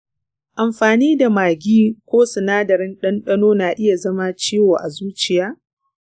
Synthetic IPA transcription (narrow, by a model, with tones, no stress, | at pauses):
ʔa˨mɸaː˨niː˦da˨maː˨ɡʲiː˦kʷoː˦sʊ˨naː˦dɐ˨ɾɪ˦nɗɐ˦nɗɐ˦noː˦naː˨ʔɪ˦ja˨zɐ˦ma˦t͡ʃiː˦woː˨ʔa˨zuː˦t͡ʃɪ˨jaː˦